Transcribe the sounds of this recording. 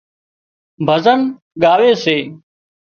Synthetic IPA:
bʱəzən | ɠaːʋeːseː

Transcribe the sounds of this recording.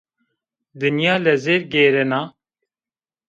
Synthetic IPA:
d̪ɨnijɑːlɛzeːɾɡeːɾɛnɑː

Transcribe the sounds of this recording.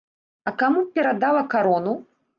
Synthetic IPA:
ɐkamupʲɛɾad̪alˠɐkaɾɔnu

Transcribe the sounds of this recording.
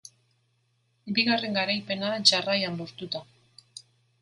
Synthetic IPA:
biɣare̞ŋɡaɾajpe̞nat͡ʃarajamboɾt̪ut̪a

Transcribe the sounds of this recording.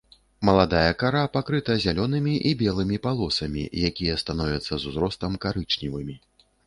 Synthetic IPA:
mɐlˠad̪ajɐkaɾapakɾɨt̪ɐzʲalʲɔnɨmʲiʔibʲɛlˠɨmʲipalˠɔsɐmʲḭjakʲijɛst̪anɔvʲɐt̪sːɐzuzɾɔst̪ɐmkaɾɨt͡ʂnʲivɨmʲi

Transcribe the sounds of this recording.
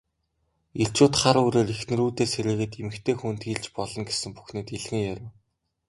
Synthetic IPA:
iɬt͡ɕʊːt̪χaɾuːɾeːrixnɘ̆ruːt̪eːseɾɘ̆ːɣɘ̆t̪emɘ̆kt̪ʰeːxuːn̥t̪ɡiːɮt͡ɕpɔɮɞ̆ŋɡesɘ̆mpu̥xneːt̪iɮɣɘ̆ŋjæɾʲɪ̆w

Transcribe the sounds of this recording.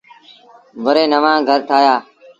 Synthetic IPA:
ʋəɾeːnəʋãːɡʱəɾt̪ʰaːjaː

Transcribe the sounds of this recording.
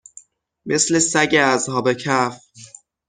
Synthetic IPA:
me̞sle̞sæɟeæzhɒːbecʰæf

